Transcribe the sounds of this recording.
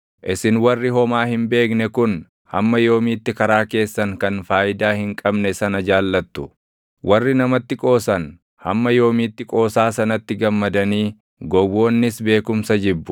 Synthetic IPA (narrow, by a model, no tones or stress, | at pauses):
ʔɪsɪnwɐrːɪɦɔmaːhɪmbe̞ːknɛkʊn | hɐ̰mːɐjo̞ːmiːt̪ːɪkɐɾaːke̞ːsːɐŋkɐnfaːjɪd̪aːhɪŋkʼɐbnɛsɐnɐd͡ʒaːlːɐt̪ːʊ̥ | wʔɐrːɪnɐmɐt̪ːɪkʼo̞ːsɐn | hɐ̰mːɐjo̞ːmiːt̪ːɪkʼo̞ːsaːsɐnɐt̪ːɪɡɐmːɐd̪ɐniː | ɡɔwo̞ːnːɪsbe̞ːkʊmsɐd͡ʒɪbːʊ